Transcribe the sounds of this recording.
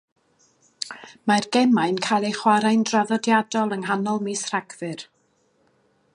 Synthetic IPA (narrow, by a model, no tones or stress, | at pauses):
marɡɛmajnkʰajlˠejχwaɾajndraðɔdjadɔlˠəŋɦanɔlˠmisr̥aɡvɨr